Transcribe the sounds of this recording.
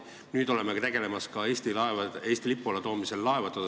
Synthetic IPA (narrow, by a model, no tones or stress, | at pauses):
nyːd̪o̞lemet̪eɡ̥e̞le̞mɑskɑeːsʲt̪ilɑevɑe̞ːst̪ilipːˑulɑt̪o̞ːmise̞lːɑevɑt̪ːˑɑd̪